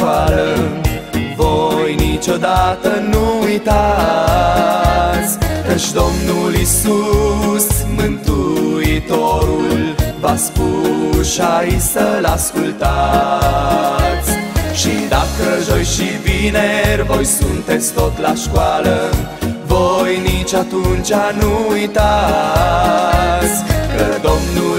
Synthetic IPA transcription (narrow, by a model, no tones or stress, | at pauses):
alə | vo̞jnit͡ʃo̞d̪at̪ənuujt̪a | tt̪sʲkət͡ʃd̪o̞mnulisusmɨnt̪uit̪o̞ɾulvaspuʃajjsəlaskult̪a | t̪sʲʃid̪a̰kəʒojʃivinervo̞jsunt̪e̞t̪sʲt̪o̞t̪laʃkwalə | vo̞jnit͡ʃat̪unt͡ʃanuujt̪a | sʲkəd̪o̞mnu